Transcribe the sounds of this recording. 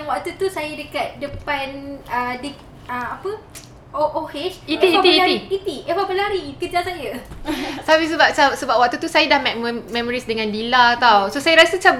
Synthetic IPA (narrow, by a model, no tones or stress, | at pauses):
aŋwaʔ̚t̪ut̪usajədəkat̪̚dəpanədə | əapə | oʔohet͡ʃit̪iiat̪iiaiit̪iewabəlaɾikəd͡ʒasajə | sabis̬əbap̚sasəbap̚wak̚t̪ut̪usajadahmɛmmɛ̃mɔɾisdəŋãndilat̪awsosajaɾasət͡ʃab